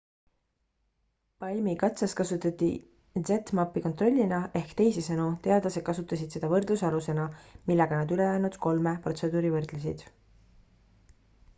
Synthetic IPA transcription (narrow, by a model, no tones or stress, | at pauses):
pɑjmikɑt̪sɑskɑsut̪ːˑɑt̪ːˑi | z̥e̞t̪mɑpːiko̞nt̪ˑro̞lʲːinɑe̞hkt̪e̞jsesɤnut̪e̞ɑd̪lɑse̥kɑsut̪ːˑɑsid̪̥se̞d̪̥ɑvɤrd̪̥lusɑluse̞nɑmilːɛɡ̥ɑnɑd̪ylejæːnud̪̥ko̞lmepro̞t̪se̞d̪uːɾivɤrd̪̥lus̬ḭd̪̥